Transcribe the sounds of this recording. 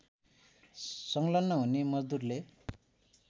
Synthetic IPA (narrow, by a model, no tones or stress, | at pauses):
sʌŋlʌnːʌɦunemʌd͡zd̪urle